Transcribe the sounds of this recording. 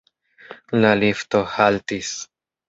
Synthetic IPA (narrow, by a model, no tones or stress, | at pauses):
lalift̪ohalt̪is